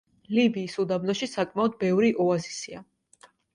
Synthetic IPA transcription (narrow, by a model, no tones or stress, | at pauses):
libiːsud̪abnɔʃisakʼmaɔd̪̚bɛvɾiʔɔazisia